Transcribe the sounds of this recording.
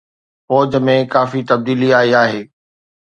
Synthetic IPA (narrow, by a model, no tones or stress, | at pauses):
fɔːd͡ʑmẽkaːfit̪ɐb̚d̪iːliaːiaːɦeː